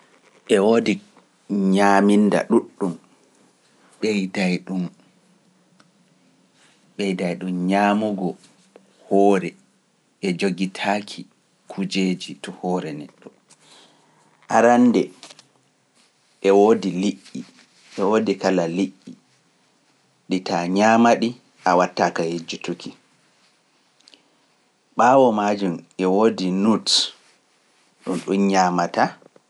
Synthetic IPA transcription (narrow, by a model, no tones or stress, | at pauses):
ʔɛwoːdi | ɲaːminda̰ɗuɗːum | ɓɛjdajɗum | ɓɛjdajɗumɲaːmuɡɔ | hɔːɾɛ | ʔɛd͡ʒoɡitʰaːkʰi | kʰud͡ʒeːd͡ʒitɔhɔːɾɛnɛtɔ | ʔaɾandɛ | ɛwoːdiliʔːi | ʔɛwoːdikalaliʔːi | ɗitaɲaːmaɗi | ʔawatːakajed͡ʒutukʰi | ɓaːwɔmaːd͡ʒumɛwoːdinut | ɗunɗunɲaːmata